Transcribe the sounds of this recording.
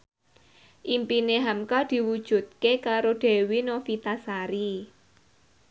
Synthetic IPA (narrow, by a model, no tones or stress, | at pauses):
ʔimpineɦamkad̪̥i̤wud̥ʒ̥ṳt̪̚kekaɾoɖ̥e̤winofit̪asaɾi